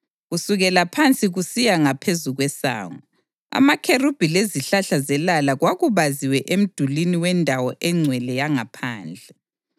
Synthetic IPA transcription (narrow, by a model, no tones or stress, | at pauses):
ɣusuɣɛlapʰant͡sʼiɣusijaŋapʰezuɣwɛsa̰ːŋɔ | a̰makʰerub̥ʱileziɬaɬazɛlalaɣwaɣuβaziwɛʔem̩d̥ʱuliniwɛndʱawɔʔɛŋ͡ǀʱwɛlɛjaŋapʰaːnd͡ɮʱɛ